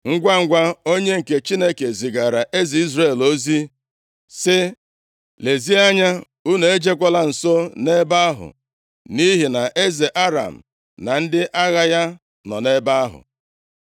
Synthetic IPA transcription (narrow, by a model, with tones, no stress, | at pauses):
ŋ̩˦ɡʷa˦ŋ̩˦ɡʷa˦o˦ɲe˦ŋ̩˨ke˨t͡ʃi˦ne˦ke˨zi˨ɡa˨ɾa˨ʔe˦zi˨i˦zɾe˦˨lo˦zi˦ | sɪ˦ | le˨zi˦a˦ɲa˦ | u˦ne˨e˦d͡ʒe˦kʷa˦la˦n̩˨so˦ne˦ba˦a˦ɦʊ̰˨ | ni˦ɦi˨na˨ʔe˦ze˨ʔa˦ɾa̰˨m̩˨ | na˨n̩˦dɪ˦ʔa˦ɣa˦ja˦ | nɔ˨ne˦ba˦a˦ɦʊ̰˨